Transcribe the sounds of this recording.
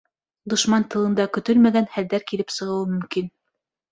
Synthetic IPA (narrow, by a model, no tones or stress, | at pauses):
d̪ŏʃmɑnt̪ɤ̆lˠɤ̆nd̪ɑkɵ̆t̪ɵlmæɡænhæld̪æɾkilɘpsɤ̆ʁɤ̆wɤmɵ̆mkin